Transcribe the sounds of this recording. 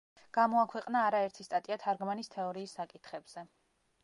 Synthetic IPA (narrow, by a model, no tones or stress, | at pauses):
ɡ̥amɔakʰwɛqʼnaːɾaɛɾt̪ʰist̪ʼat̪ʼiat̪ʰaɾɡmanist̪ʰɛɔɾiːsːakʼit̪ʰχɛbz̥ɛ